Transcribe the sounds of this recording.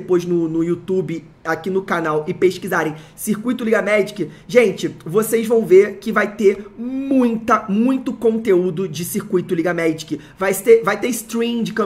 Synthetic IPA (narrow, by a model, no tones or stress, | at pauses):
pojznʊnʊiut̪ubɪ | akinʊkanawɪpeʃkizaɾẽj̃ | siɾkujt̪ʊliɡɐmɛd͡ʒikɪ | ʒẽnt͡ʃɪvosejzvɐ̃w̃vekɪvajt̪emũj̃t̪ɐmũj̃t̪ʊkõnt̪eud̪ʊd͡ʒɪsiɾkujt̪ʊliɡɐmɛd͡ʒikɪ | vajst̪evajt̪est̪ɾĩd͡ʒɪkɐ̃